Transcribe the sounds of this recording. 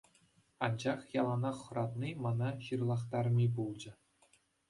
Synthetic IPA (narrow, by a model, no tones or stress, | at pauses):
ɑnd͡ʑɑχjɑlˠɑnɑχːɤ̆ɾɑt̪nʲimɑnɑɕɯrlˠɑχt̪ɑrmʲibulˠd͡ʑɘ̆